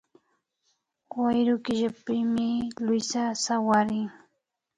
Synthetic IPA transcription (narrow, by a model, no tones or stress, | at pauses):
wajɾʊkɪʒapɪmɪlʊjsasawaɾɪŋ